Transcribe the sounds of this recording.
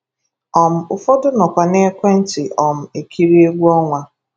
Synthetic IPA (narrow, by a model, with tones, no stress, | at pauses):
ɔ˨m̩˨ʊ˨fɔ˦dʊ˦nɔ˨kʷa˨ne˦kʷe˦n̩˦tɪ˨ʔɔ˨m̩˨e˨kʰi˦ɾi˦e˦ɡʷu˦ɔ˦ŋʷa˦